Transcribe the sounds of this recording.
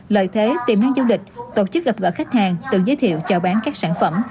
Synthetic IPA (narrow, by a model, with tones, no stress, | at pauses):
lə̰ː˧˨jt̪ʰe˨˦t̪i˨˩mnaː˨˧˥ŋzu˧lï˨˩k̟̚t̪o˧t͡ɕɨ˦˥k̚ɣa˨˩p̚ɣɔ̰ː˧˨xa˦˥jk̟̚haː˨˩ŋt̪ɨ̰˧˨zəː˨˦jt̪ʰḭ˧˨əwt͡ɕɔ˧˩ɓaː˨˦nkaː˦˥k̚saː˧˩˨nfə̰˧˩m